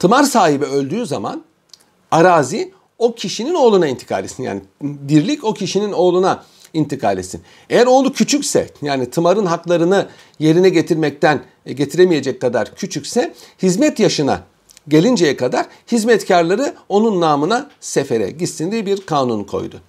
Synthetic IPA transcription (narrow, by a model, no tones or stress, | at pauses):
t̪ʰɯmaɾsaːɦibɛø̞lʲd̪yːzama̰n | aɾaːzi | o̞cʰiʃinino̞ːlˠunaint̪ʰi̥kʰa̰ːlʲesinja̰ːnib̪iɾlʲico̞cʰiʃinino̞ːlˠuna | int̪ʰikʰa̰ːlʲet̪sḭn | ejæɾo̞ːlˠucʰyt͡ʃʰycsɛ̰jaːnit̪ʰɯmaɾɯnɦaklˠaɾɯnɯ | je̞ɾinɛɟe̞t̪ʰiɾmɛc̚t̪æn | ɟe̞t̪ʰiɾemije̞d͡ʒɛcːad̪aɾcʰyt͡ʃʰycsɛhizmɛt̪jaʃɯna̰ | ɟe̞lʲind͡ʒejɛkad̪aɾ̥ | hizmɛt̪cʰaɾlˠaɾɯo̞nunːaːmɯnase̞fe̞ɾɛ̰ɟisind̪ibiɾkʰaːnunkʰo̞̰jd̪ʊ̰